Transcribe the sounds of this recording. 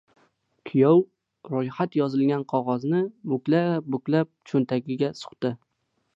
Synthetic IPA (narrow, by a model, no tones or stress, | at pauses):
kʲʰijɒw | ɾʊjhat̪jɒzɪlɡʲanqʰɒʁɒznɪmʊkʲlabʊkʲlap̚t͡ʃʰont̪ʰaɡʲɪɡʲasʊ̥χt̪ɪ